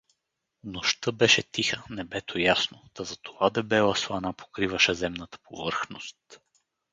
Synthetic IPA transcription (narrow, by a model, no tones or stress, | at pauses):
noʃt̪ɤbɛʃɛt̪ixənɛbɛt̪ʰojasnod̪̥ɐzɐt̪ovad̪ɛbɛlˠəslˠɐnapʰo̥kɾivəʃɛzɛmnət̪ə̥pʰo̰vɤɾxnost̪